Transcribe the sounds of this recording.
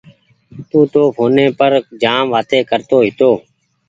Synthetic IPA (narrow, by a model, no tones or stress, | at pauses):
t̪ũːt̪oːpʰoːneːpəɾd͡ʒaːmʋaːt̪eːkəɾt̪oːɦɪt̪oː